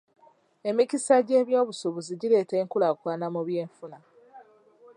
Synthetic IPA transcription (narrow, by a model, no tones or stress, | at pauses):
e̞micisaɟe̞ːβjo̞ːβusoβuziɟile̞ːte̞ːŋkulakwaːnamuβje̞ːɱfuna